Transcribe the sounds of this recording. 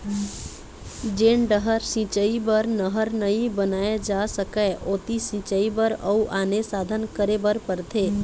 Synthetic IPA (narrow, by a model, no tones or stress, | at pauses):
d͡ʒeːɳɖəɦəɾsĩt͡ʃəibəɾnəɦəɾnəibənaːjed͡ʒaːsəkəʔoːt̪isĩt͡ʃəibəɾəuʔaːnesaːd̪ʱənkəɾebəɾpəɾt̪ʰeː